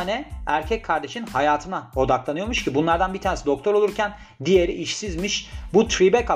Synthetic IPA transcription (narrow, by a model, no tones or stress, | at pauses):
nɛæɾcʰɛckʰaɾd̪e̞ʃinhajaːt̪ʰɯnao̞d̪aklˠanɯjomuʃcʰibunlˠaɾd̪anbit̪ʰaːnesid̪o̞k̚t̪ʰo̞ɾolˠuɾcʰæn | d̪ije̞ɾḭʔiʃsizmiʃbut̪ʰɾibɛkʰa